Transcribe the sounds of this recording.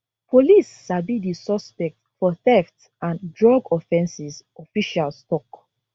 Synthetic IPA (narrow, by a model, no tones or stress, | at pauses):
polisːabidisɔspɛk̚tfɔθɛft | ãndɹɔɡɔfɛ̃nsisɔfiʃalstɔk